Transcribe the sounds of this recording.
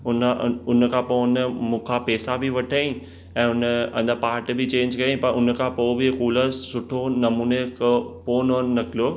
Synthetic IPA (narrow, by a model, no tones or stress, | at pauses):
ʊnʊn̆kʰãːpoːnəmũːkʰapɛːsabʱɪʋɐʈʰaːĩ | ɛ̃ːʊnəɐ̰̃nd̪apaːɾʈbʱɪt͡ɕẽːɲd͡ʑkɐĩpɐɾʊn̆kʰãːpoːbɪkuːləsʊʈʰonɐmuːnekpoːnonɐkʰɪlijoː